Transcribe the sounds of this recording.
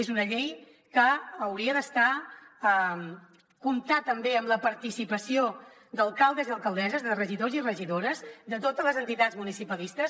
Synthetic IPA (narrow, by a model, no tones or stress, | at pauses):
ezunəʎej | kəəwɾiəðəst̪aəm | kumt̪at̪əmbeəmləpəɾt̪isipəsio | d̪əlˠkalˠd̪əziəlˠkəlˠd̪ɛzəzðərəʒiðozirəʒiðoɾəzd̪ət̪ot̪əzləzənt̪it̪ad͡zmunisipəlist̪əs